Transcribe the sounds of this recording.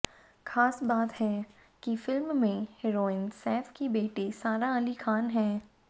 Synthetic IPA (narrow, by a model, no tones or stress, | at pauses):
xaːsbaːt̪ɦɛ | kifɪlmːẽhɛɾoːɪnsɛːfʰkibeːʈisaːɾaɐlixaːnɦɛ̃ː